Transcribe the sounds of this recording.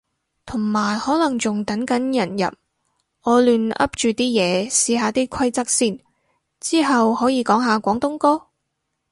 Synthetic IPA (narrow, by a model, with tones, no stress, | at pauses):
t̪ʰʊ˨˩ŋmaː˨˩jhɔː˨˥lɐ˨˩ŋt͡sʊ˨ŋt̪ɐ˨˥nkɐ˨˥njɐ˨˩njɐ̰˨˩p̚ | ŋɔː˨˧lyː˨nɐ̰˥p̚t͡ʃyː˨t̪iː˥jɛː˨˧siː˨˧ɦaː˨˧t̪iː˥kʷʰɐ˥jt͡sɐ˥k̚siː˥n | t͡siː˥ɦɐ˨whɔː˨˥jiː˨˧kɔː˨˥ŋɦaː˨˧kʷɔː˨˥ŋt̪ʊ˥ŋkɔː˥